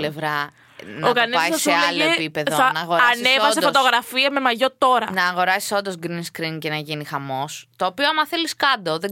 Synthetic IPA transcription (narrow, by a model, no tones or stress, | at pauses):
levɾɐ | nokɐneɐssɐselɐelʝoepipe̞ðoɐnɐɣoɾɐsnevɐssefot̪oɣɾɐfiɐme̞mɐʝo̞t̪o̞ɾɐnɐːɣo̞ɾɐsi̥so̞nd̪ozɡɾinskɾincenɐʝinixɐmo̞st̪o̞ːpioɐmɐθeliskɐd̪oðe